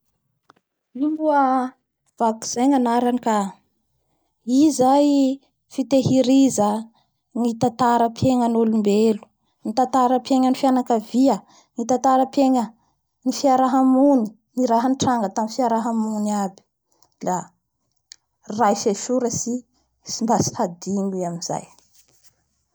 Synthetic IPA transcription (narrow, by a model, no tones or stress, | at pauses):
imbuə | v̥aku̥z̥ajŋanaɾanika | izaj | fit̪eɦiɾizə | ŋit̪at̪aɾəpʰjeŋənolumbelu̥ | ŋit̪at̪aɾəpjeŋənifianakəviə | ŋit̪at̪aɾəpeŋə | nifiaɾaɦamuni̥ | niɾaɦənʈ͡ʂaŋɡət̪amifiaɾaɦamunabi̥ | la | rajfeʃuɾəsi | simbasi̥had̪iniamiza̰j